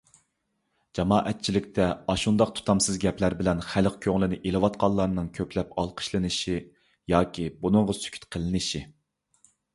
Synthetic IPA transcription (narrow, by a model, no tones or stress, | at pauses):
d͡ʒɑmɑːʔɛt̪̚t͡ʃʰilɪk̚ʲt̪ʰɛɑʃund̪ɑqt̪ʰu̥t̪ʰɑmsɨzɡʲɛplæɾbɪlɛnχæləqkʲʰøŋlɪnɪʔelˠɨwɑt̪̚qʰɑlˠːɑɾnɨŋkʲʰøplɛpɑlˠqʰə̥ʃlˠɨnɨʃi | jɑːkʲʰibunɨŋʁəsy̥kʲʰy̥t̪qʰəlˠɨnɨʃi